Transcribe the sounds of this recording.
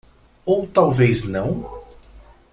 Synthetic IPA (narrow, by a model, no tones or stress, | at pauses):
owt̪awvejznɐ̃w̃